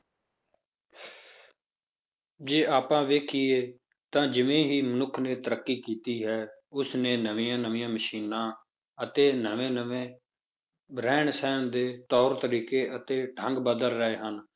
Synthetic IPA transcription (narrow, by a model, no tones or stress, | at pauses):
d͡ʒeːʔaːpãːʋeːkʰiːeː | t̪ãːd͡ʒɪʋẽːɦiːmənʊkʰneːt̪əɾəkːiːkiːt̪iːɦɛːʊsneːnəʋijãːnəʋĩjãːməʃiːnãː | ət̪eːnəʋẽːnəʋẽː | bɾɛːɳsɛːnd̪eːt̪ɔːɾt̪əɾiːkeːʔət̪eːʈʰəŋɡbəd̪əlɾəeːɦən